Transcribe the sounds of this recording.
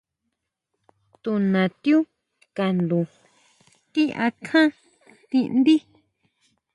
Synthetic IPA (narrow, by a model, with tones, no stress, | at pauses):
t̪u˧nã˨t̪ju˦ | ka˨nd̪ũ˨ | t̪i˦ʔa̰˧kʰã˦ | t̪ĩ˧ʔnd̪i˦